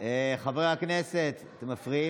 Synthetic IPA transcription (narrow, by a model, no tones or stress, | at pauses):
eχaveʁeakneset̪t̪emːafʁii